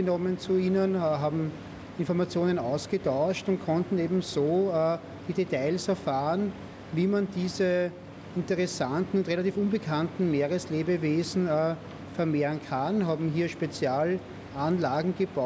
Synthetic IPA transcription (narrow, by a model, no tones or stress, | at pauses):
ənɔmənt͡suiːnənɦaːbm̩ | ɪnfɔɐmat͡sjoːnənɑʊsɡ̥ətaʊʃtʊnt̚kʰɔ̃ntn̩eːbm̩zoː | d̥iːdetaɪlsɛɐfaːʁən | viːmandiːzə | ɪntəʁɛsantn̩ʊntʁelatiːfũnbəkʰantn̩meːʁəsleːbəveːzn̩ː | fɛɐmeːʁənkʰanɦaːbm̩ɦiːɐʃpet͡sjaːl | ʔanlaːɡŋ̩ɡ̥əb̥a